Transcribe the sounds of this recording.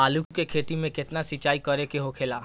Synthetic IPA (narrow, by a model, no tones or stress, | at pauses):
aːlukkekʰeʈ̪imẽket̪nasit͡ʃaːikɔɾekeɦokʰelaː